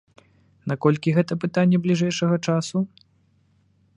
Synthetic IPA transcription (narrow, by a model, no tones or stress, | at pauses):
nakɔlʲkʲiɣɛt̪ɐpɨt̪anʲːɛblʲiʐɛjʂɐɣɐt͡ʂasu